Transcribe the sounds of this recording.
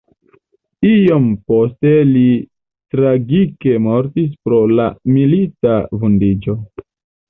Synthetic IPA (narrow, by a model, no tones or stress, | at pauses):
io̞mpo̞ste̞li | tɾaɡike̞mo̞ɾtis̬pɾo̞la̰militavundid͡ʒo̞